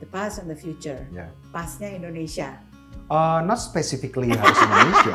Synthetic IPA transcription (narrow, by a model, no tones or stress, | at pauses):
d̪əpastɔfd̪əfjut͡ʃəɹja | pasɲaĩndoneʃia | ənɔtspɛsifikliawsnaisa